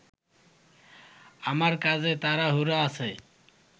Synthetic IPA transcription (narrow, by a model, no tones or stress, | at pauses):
amaɾkad͡zet̪aɾaɦuɾaːsʰe